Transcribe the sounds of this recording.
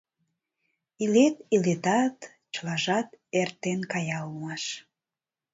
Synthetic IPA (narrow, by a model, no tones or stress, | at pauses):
ilet̪ilet̪ɑt̪ | t͡ɕəlɑʒɑt̪ert̪enkɑjɑlmɑʃ